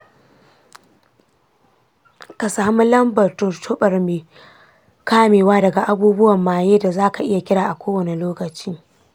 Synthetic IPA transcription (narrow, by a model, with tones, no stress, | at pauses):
ka˨saː˨mu˦lɐ˦mbɐ˨rtʊ˨rtʰʊ˦ɓɐ˨rmeː˨ | kaː˦meː˨waː˦dɐ˨ɡa˨ʔa˦buː˦bʊ˦wɐ˨mːaː˨jeː˦da˨zaː˦ka˨ʔɪ˦ja˨kʲɪ˦ɽaː˨ʔa˨kʷoː˦wɐ˨ne˨loː˦kɐ˨t͡ʃiː˦